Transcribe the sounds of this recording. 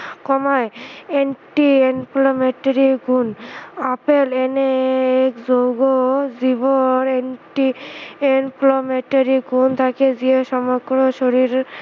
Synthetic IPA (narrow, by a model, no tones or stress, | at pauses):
kɔmajenʈienpʰlomeʈaɾiɡʱunapeleneekzowɡoziboɾenʈienpʰlomeʈaɾiɡʱunt̪ʰakezieʃɔmɔɡɾoʃoɾiɾ